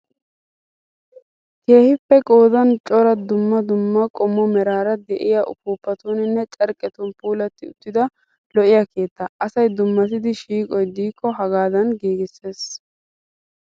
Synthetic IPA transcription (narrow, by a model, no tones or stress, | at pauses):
ke̞ːhɪpːɛkʼoːd̪ɐnt͡ʃʼɔɾɐd̪ʊmːɐd̪ʊmːɐkʼɔmːɔmɛɾaːɾɐd̪ɛʔɪjaʔʊ̰puːpːɐt̪unɪnːɛt͡ʃʼɐɾkʼɛt̪ʊnpuːlɐt̪ːɪʊt̪ːɪd̪ɐ | lɔʔɪjake̞ːt̪ːɐʔɐsɐjd̪ʊmːɐt̪ɪd̪ɪʃiːkʼɔjd̪iːkʰːɔɦɐɡaːd̪ɐnɡiːɡɪsːe̞ːs